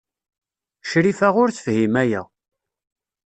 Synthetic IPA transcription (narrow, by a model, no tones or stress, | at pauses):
ʃɾifæʁʊɾθə̥fhimæjæ̰